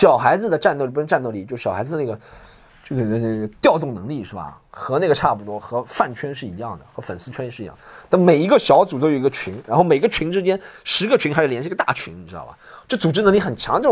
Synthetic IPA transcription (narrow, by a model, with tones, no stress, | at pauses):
ɕjɑ˨˩ʊxa˧˥ɪd͡zɹ̩˧d̪ə˩ʈ͡ʂa˥˧nt̪i˧˥ʈ͡ʂa˥˧no˥˧˩li˨˥˩t͡ɕo˥˧ʊʂ̩˥˩ɕɑ˨˩xa˧˥ɪd͡z̩̪˥˧ə˩n˥˩ɡə˩ | t͡ɕo˥˩ʂn˥˩ə˩t̪jɑ˥˧ʊt̪ʊ˥˩ŋnɤ˧˥ŋli˥˧ʂɻ̩˥˩bɐ̰˩ | xɤ˧˥ne˥˩ɡə˩ʈ͡ʂʰa˥˩bu˨˩t̪wɔ˥xɤ˧˥fa˥˩nt͡ɕʰɥɛ˥nʂ̬ɻ̩˥˩i˧˥jɑ̰˥˩ŋd̪ə˩xɤ˧˥fə˨˩nsɹ̩˥˧t͡ɕʰɛ˥n˧˥ʂ̩˥˩˧jɑ̰˥˩ŋd̪ə˩t̪a˥˩nme˨˩ɪi˧˥ɡə˧ɕjɑ˧˥ʊt͡su˨˩t̪o˥ʊjo˧˩˧ə˧t͡ɕʰi˧˥ŋɻa˧˥nxo˥˩ʊme˨˩˧ɡə˧t͡ɕʰi˧˥ŋʈ͡ʂɻ̩˥t͡ɕjɛ˥nʂɻ̩˧˥ɡə˧t͡ɕʰɥi˧˥ŋxa˧˥ʂɻ̩˥˩jɛ˧˥ʂə˧t̪a̰˥˩t͡ɕʰḭ˧˥ŋni˨˩ɻ̩˥ɑ̰˥˩lə̰˨˩ʈ͡ʂɤ˥˩t͡su˨˩ʈ͡ʂɻ̩˥nə˧˥ŋli˥xə˨˩nt͡ɕʰɑ˧˥ŋʈ͡ʂə˥˩